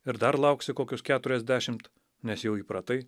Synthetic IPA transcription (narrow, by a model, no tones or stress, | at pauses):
ɪɾd̪ɐɾlˠɐʊksʲɪkoːkʲʊskʲæːt̪ʊɾʲɛzʲd̪ʲæːʃʲɪmt̪ | nʲɛsjɛʊiːpɾɐt̪ɐɪ